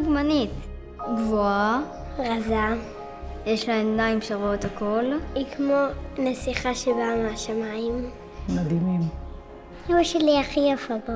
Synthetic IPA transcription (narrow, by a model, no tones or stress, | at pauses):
ɡmanit̪ | ɡvoa | ʁaza | jeʃlaenaimʃaʁot̪hakʰo̞likʰmonasiχaʃebameaʃamaim | mad̪imim | uʃeliaχijafaba